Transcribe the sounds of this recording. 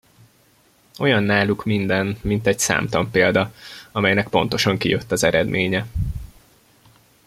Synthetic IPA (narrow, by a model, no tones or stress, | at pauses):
o̞jɒnːaːlukmind̪ɛnmint̪ɛɟsa̰ːmt̪ɒmpeːld̪ɒɒmɛjnɛkpo̞̰nt̪o̞ʃɒŋkḭjøt̪ːɒzɛɾɛd̪mʔeːɲɛ